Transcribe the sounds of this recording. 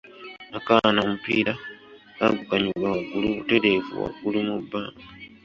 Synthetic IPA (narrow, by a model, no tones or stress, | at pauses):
akanaomupḭːɾa | kaɡukaɲiɡwawaɡuluute̞ɾe̞vṵwa̰ɡulumubːaːmɡa